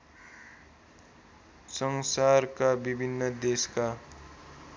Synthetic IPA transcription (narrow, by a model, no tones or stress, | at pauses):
sʌŋsarkabibʱinːʌd̪eska